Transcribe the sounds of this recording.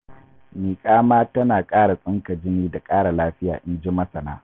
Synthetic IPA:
miː˨kʼaː˦maː˦tɐ˦naː˨kʼaː˦ɽa˨sʼɪ˦ŋkɐ˨d͡ʒɪ˦niː˦da˨kʼaː˦ɽa˨laː˦ɸɪ˦ja̰ː˨ʔɪ˦nd͡ʒɪ˦mɐ˦sɐ˨na̰ː˦

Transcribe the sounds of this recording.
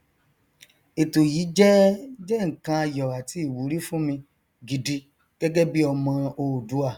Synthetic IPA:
e˨to˨ji˨˦d͡ʒɛ˦d͡ʒɛ˦˨ŋ̩˨kã˧a˧jɔ˨a˨ti˨˦i˦˨wu˨˦ɾi˦fũ˦mĩ˧ | ɡi˨di˧ | ɡ̥ɛ˦ɡɛ˦bi˦ɔ˧mã˧o˧˨du˨˦a˦˨

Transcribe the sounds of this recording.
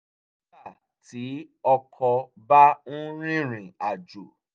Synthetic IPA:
a˦˨ | ti˨˦ɔ˧kʰɔ˧ | ba˦nũ˦ɾ̃ĩ˦ɾ̃ĩ˨a˨d͡ʒo˨

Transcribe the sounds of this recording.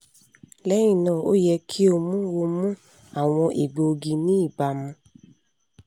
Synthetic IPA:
lɛ˦j̃ĩ˦˨nãː˦˨o̰˦jɛ˧kʰi˦o˧mũ˦wo˧mũ˦ | a˦˨w̃ɔ̃˧ʔi˨ɡ͡bo˨˧ɡi˧nĩ˦i˦˨ba˧˨mũ˧

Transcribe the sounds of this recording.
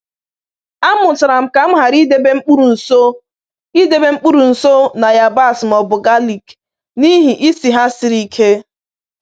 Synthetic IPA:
a˦mʊ˨tɪ˨ɾa˨m̩˨ka˨m̩˦ɦa˨ɾi˦de˦be˦ŋ͡m̩˦k͡pu˦ɾu˨n̩˨so˦ | i˦de˨be˦ŋ͡m̩˦k͡pu˦ɾu˨n̩˨so˦na˨ja˨ba˦˨smɔ˨bʊ˨ɡa˦li˨k | ni˦ɦi˨ʔi˦si˨ɦa˦sɪ˨˦ɾi˨kʰe˦

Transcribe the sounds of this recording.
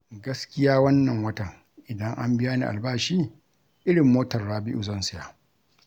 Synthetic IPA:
ɡɐ˦skʲɪ˦jaː˦wɐ˦nːɐ˨ŋwɐ˦tɐ˨ŋ | ʔɪ˨dɐ˦ŋʔa˦mbɪ˦jaː˦nḭː˨ʔa̰˨lbaː˦ʃiː˦ | ʔɪ˦ɽɪ˨mːoː˦tɐ˨rːaː˦bɪ˦ʔʊ˨zɐ˦nsɪ˦jaː˦

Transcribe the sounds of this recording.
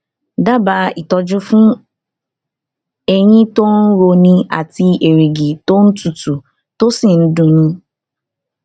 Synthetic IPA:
da˦ba˧˦i˨tɔ˧d͡ʒʊ˦fũ˦ | e˦ɲĩ˦to˦n̩˦ɾo˧nĩ˧a̰˨ti˧e˨ɾi˨ɡi˨to˦n̩˦tu˨tu˨ | to˦si˦˨n̩˦dũ˨nũ˦

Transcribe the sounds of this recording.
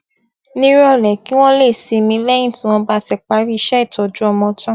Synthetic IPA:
nĩ˦ɾɔ˧˨lɛ˨ki˦w̃ɔ̃˦le˦˨si˧mĩ˧˦lɛ˦j̃ĩ˦˨tĩ˨˦w̃ɔ̃˧ba˦tɛ˦˨k͡pa˨˦ɾi˦i˧ʃɛ˦i˦˨tɔ˨d͡ʒu˦ɔ˧mɔ̃˧tã˦

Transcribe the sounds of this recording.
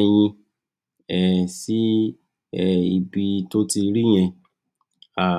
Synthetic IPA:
j̃ĩ˧ | ɛ˨si˦ | ɛ˦˨i˧bi˧to˦ti˧ɾi˦j̃ɛ̃˧ | a˨

